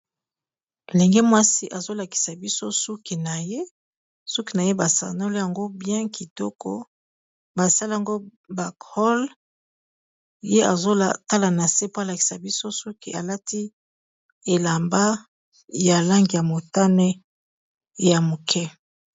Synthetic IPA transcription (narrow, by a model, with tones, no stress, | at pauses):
le˨ŋɡɛ˦mwa˦si˦ʔa˨zo˦la˨ki̥˨sa˨bi˦so˦su˦ki˨na˨je˦ | su˦ki˨na˨je˦ba˨sa̰˨no˦li˦ja˨ŋɡo˦bjɛ̃˦ki˨tɔ˦kɔ̰˦ | ba˨sa˦li˦a˨ŋɡo˦ | ba˨khɔ˦l | je˦a̰˨zo˦la˨ta˦la˨na˨se˦po˦a˨la˨ki̥˨sa˨bi˦so˦su˦kḭ˨a˨la˦tʰi˦ | e˨la˨mba˦ | ja˨la˦ŋɡi˨ja˨mo˨ta˦nɛ˦˨ | ja˨mo˨kʰɛ˦